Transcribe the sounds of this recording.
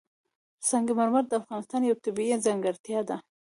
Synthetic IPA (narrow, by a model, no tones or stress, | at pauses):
sɑŋɡemaɾmaɾd̪əafɣɑnɪst̪ɑnjawt̪abiizaŋɡaɾt̪jɑd̪a